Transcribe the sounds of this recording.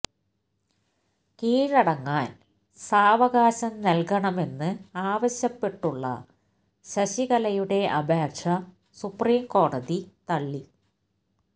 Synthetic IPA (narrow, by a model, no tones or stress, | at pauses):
kiːɻɐɽɐŋːaːn | saːʋɐɣaːɕɐmnɐlkɐɳɐme̞nːɨaːʋɐɕjɐpːe̞ʈːuɭːɐ̰ | ɕɐɕiɣɐlɐjuɽe̞ɐbʱaːkɕɐ | supriːmko̞ːɽɐðit̪ɐɭːi